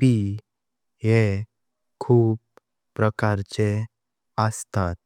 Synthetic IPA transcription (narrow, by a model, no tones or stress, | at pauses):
pi | ɦe | kʰuːp | pːɾəkaɾt͡ɕe | əst̪at̪̚